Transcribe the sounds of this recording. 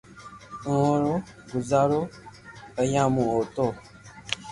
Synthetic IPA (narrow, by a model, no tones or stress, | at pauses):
oɾo | ɡuzaɾo | əjãmũoto